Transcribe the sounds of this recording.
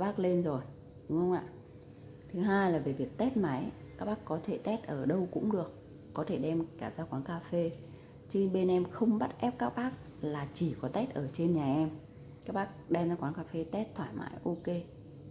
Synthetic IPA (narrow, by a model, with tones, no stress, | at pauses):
ɓaː˦˥k̚le˧nzo˨˩j | ɗʊ˨˦ŋ͡mxə˧wŋ͡mʔa̰ː˧˨ | t̪ʰɨ˨˦ɦaː˧jlaː˨˩ve˨˩vi˨˩ək̚t̪ɛ˦˥t̚ma˨˦j | kaː˦˥k̚ɓaː˦˥kːɔ˨˦t̪ʰe˧˩t̪ɛ˦˥t̚ʔəː˧˩ɗə˧wkʊ̰˧˥ŋ͡mɗɨ˨˩ək̚ː | ɔ˨˦t̪ʰe˧˩ɗɛ˧mkaː˧˩zaː˧kwaː˨˦nkaː˧fe˧ | t͡ɕɨ˧ɓe˧nʔɛ˧mxə˧wŋ͡mɓə˦˥t̚ʔɛ˦˥p̚kaː˦˥k̚ɓaː˦˥k̚ | laː˨˩t͡ɕi˧˩kɔ˨˦t̪ɛ˦˥t̚ʔəː˧˩t͡ɕe˧nɲaː˨˩ʔɛ˧m | kaː˦˥k̚ɓaː˦˥k̚ɗɛ˧mzaː˧kwaː˨˦nkaː˧fe˧t̪ɛ˦˥t̚t̪ʰwaː˧˩jma̰ː˨˦jʔo˧ke˧